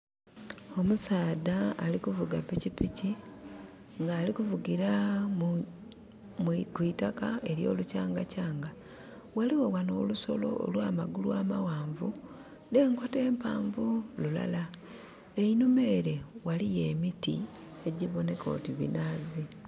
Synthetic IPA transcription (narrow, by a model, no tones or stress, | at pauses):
o̞musaːdaːlikuvuɡapicipici | ŋɡaːlikuvuɡiɾa | mkwitakae̞ɾjo̰lucaːŋɡacaːŋɡa | waliwowano̰luso̞̰lo̞̰o̰lwaːmaɡulwaːmawaːɱvu | ne̞ːŋko̞te̞ːmpa̰ːɱvulula̰la | e̞inume̞ːɾe̞walije̞ːmitḭ | e̞ɟiβo̞ne̞ko̞̰ːtiβḭnaːzi